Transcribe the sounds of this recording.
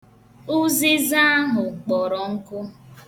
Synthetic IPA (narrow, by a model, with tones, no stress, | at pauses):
ʊ˦zi˦za˦a˦ɦʊ˨k͡pɔ˨ɾɔ˨ŋ̩˦kʊ˦